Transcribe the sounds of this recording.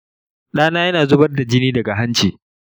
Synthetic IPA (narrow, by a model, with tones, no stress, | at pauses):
ɗaː˦naː˦jɐ˦naː˨zʊ˦bɐ˦rda˨d͡ʒɪ˦niː˦dɐ˨ɡa˨ɦa˦nt͡ʃiː˨